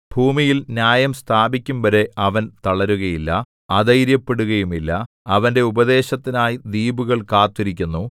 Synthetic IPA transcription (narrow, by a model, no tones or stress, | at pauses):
bʱuːmijilnjaːjɐmst̪ʰaːbikʲːumʋɐɾe̞ɐʋɐnt̪ɐɭɐɾuɣɐjilːɐ | ɐðɐjɾjɐpːe̞ɽuɣɐjumilːɐ | ɐʋɐnde̞ubɐd̪e̞ːɕɐt̪ːinaːjid̪iːbuɣɐɭkaːt̪ːiɾikʲːunːu